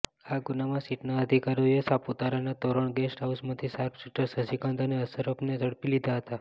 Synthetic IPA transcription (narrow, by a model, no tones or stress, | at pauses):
aɡunamãsiʈnaəd̪ʱikaɾojesaput̪aɾanat̪oɾəɳɡesʈɦausmãt̪ʰisaɾpʰsiʈəɾsəsikãnd̪əneəsəɾəpned͡ʒəɽpilid̪ʱaɦət̪a